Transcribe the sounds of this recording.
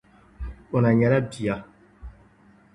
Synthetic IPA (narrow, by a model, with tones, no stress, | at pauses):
o˨na˨ɲɛ˨la˦bi˨a˦